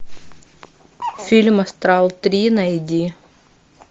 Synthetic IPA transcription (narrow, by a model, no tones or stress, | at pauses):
fʲilʲmɐst̪ɾalˠt̪ɾʲinɐɪd̪ʲi